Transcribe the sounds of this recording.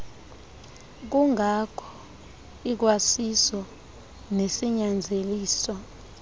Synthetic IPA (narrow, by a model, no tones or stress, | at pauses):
k̬uŋʱakʰɔ̥ | ik̬wasisɔ | nesiɲand͡zʱeliːswɔ